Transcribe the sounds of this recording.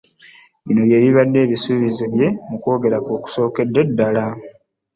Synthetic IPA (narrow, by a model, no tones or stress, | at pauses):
ino̞je̞ːβiβadːe̞ːβisuβizeβje̞muko̞ːɡe̞ɾakoːku̥so̞ːke̞dːe̞dːala